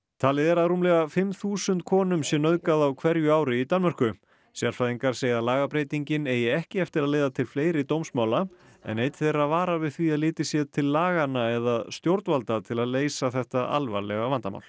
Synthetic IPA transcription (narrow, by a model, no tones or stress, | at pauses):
t̪ʰaːlɪðɛɾaðruːmlɛɣafɪmθuːsʏnt̪kʰɔːnʏmsjɛnœðkaðawkʰvɛɾjʏaːwɾɪit̪anmɛɾ̥kʏ | sjaɾfaðiŋkaɾ̥seːjðalaːɣapɾejt̪iɲcɪneːjɪɛhcɪɛft̪ɪɾaðleːjðat̪ʰɪlfleːjɾɪt̪owmsmaːwla | ɛ̰nejt̪θejɾaðvaːɾavɪðθviaðlɪːt̪ɪsjɛðt̪ʰɪlːaːɣanːaɛðaðst̪jowɾt̪valt̪at̪ʰɪlaðleːjsaθɛht̪aa̰lva̰lɛɣavant̪ama̰ːwl̥